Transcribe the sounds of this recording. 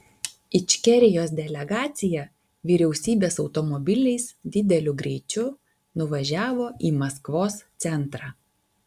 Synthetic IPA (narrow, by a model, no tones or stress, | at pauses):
ɪt͡ʃʲkʲɛɾʲɪjoːs̬d̪ʲɛlʲɛɡɑːt̪sʲɪjɛ | ʋʲiːɾʲɛʊsʲiːbʲeːsɒʊt̪ɔmɔbʲɪlʲɪɪsd̪ʲɪd̪ʲɛlʲʊɡɾʲɛɪt͡ʃʲʊ | nʊʋɐʒʲæːʋoːʔiːmɐskʋoːst̪sʲɛnˑt̪ɾɑː